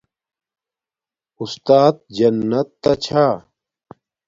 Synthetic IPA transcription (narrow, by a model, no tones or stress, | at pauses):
ust̪aːt̪̚d͡ʑɐnːɐt̪ːɐt͡ɕʰaː